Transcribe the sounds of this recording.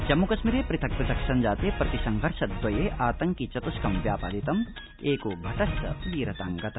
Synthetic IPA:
d͡ʒɐmːukɐʃmiɾeːpɾɪt̪ʰɐk̚pɾɪt̪ʰɐksɐnd͡ʒaːt̪eːpɾɐt̪isɐŋɡʱɐɾʃɐt̪̚d̪ʋɐjeːʔaːt̪ɐŋkit͡ʃɐt̪uskɐmʋjaːpaːd̪it̪ɐm | eːkubʱɐʈɐst̪ɐ̰ʋiːɾɐt̪aŋɡɐt̪ɐ

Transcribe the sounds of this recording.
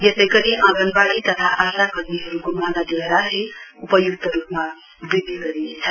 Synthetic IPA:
jesʌjɡʌɾiʔãɡʌnbaɽit̪ʌt̪ʰaʔasakʌɾneɦʌɾuɡumanad̪ieɾaɦeupʌjuk̚t̪ʌɾupma | bid̪iɡʌɾinet͡sʰʌ

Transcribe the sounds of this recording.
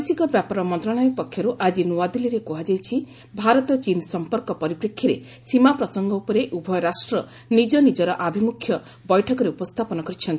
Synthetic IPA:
sikɔbjapɔɾɔmɔnt̪ɾɔɽ̃ɔjɔpɔkʰːjɔɾuʔad͡ʒinuad̪iliɾekuɦad͡ʒajt͡ʃʰi | bʱaɾɔt̪ɔt͡ʃinsɔmpɔɾkɔpɔɾipɾekʰːjiɾe | simapɾɔsɔŋɡɔupɔɾeʔubʱɔjɔɾasʈɾɔ | nid͡ʒɔnid͡ʒɔɾɔʔabʱimukʰjɔ | bɔjʈʰɔkɔɾeupɔst̪ʰapɔnɔkɔɾit͡ʃʰɔnt̪i

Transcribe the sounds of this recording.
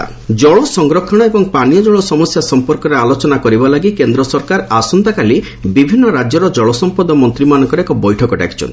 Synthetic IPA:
d͡ʒɔɭɔsɔŋɡɾɔkʰɔɽ̃ɔebɔŋpanijɔd͡ʒɔɭɔsɔmɔsjasɔmpɔɾkɔɾealot͡ʃɔnakɔɾibalaɡikend̪ɾɔsɔɾkaɾasɔnt̪akali | bibʱinːɔɾad͡ʒjɔɾɔd͡ʒɔɭɔsɔmpɔd̪ɔmɔnt̪ɾimanɔŋkɔɾekɔbɔjʈʰɔkɔʈa̰ki̥t͡ʃʰɔ̰nt̪i

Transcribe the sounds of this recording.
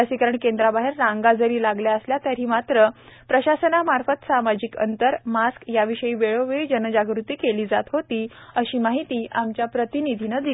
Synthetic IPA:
əsiːkəɾəɳkend̪ɾabaɦeɾːãŋɡad͡zəɾiːlaɡljaəsljat̪jaɾɦiːmat̪ɾə | pɾəɕasənamaɾfət̪samad͡ʑikə̰nt̪əɾmaskjaʋiɕəiːʋeɭoʋeɭd͡ʑənəd͡ʑaɡɾut̪iːkeliːd͡zat̪ɦot̪iːəɕiːmaɦit̪iːʔamt͡ɕjapɾət̪inid̪ʱinəd̪i

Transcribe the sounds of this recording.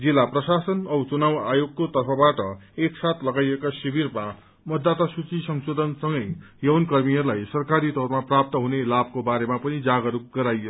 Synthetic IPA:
d͡zilːaprʌsasʌnʌwt͡sunawajoɡ̚kot̪ʌrpʰʌbaʈʌeksat̪ʰlʌɡajekasibirma | mʌd̪ːat̪asut͡sisʌŋsod̪ʱʌnsʌŋɡʌj | jʌwnkʌrmijʌrlajsʌrkaɾit̪ʌrmaprap̚t̪ʌɦunelab̚kobaɾemapʌnid͡zaɡʌɾuk̚ɡʌɾajʌ

